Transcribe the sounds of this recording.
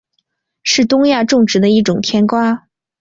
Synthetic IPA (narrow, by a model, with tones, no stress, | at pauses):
ʂɻ̩˥˩t̪ʊ˥ŋja˥˧ʈ͡ʂʊ˥˩ŋʈ͡ʂɻ̩˧˥d̪ə˧i˥˩ʈ͡ʂʊ˨˩ŋt̪ʰjɛ˥nkwa˥